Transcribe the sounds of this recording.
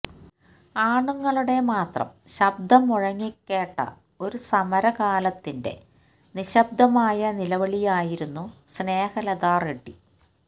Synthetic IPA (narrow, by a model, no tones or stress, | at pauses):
aːɳuŋːɐɭuɽe̞maːt̪rɐ̰mɕɐb̚d̪ʱɐmuɻɐŋːikːe̞ːʈːɐ̰ | o̞ɾusɐmɐɾɐkaːlɐt̪ːinde̞̰ | niɕɐb̚d̪ɐmaːjɐnilɐʋɐɭijaːjiɾunːusne̞ːhɐlɐðaːreʈːi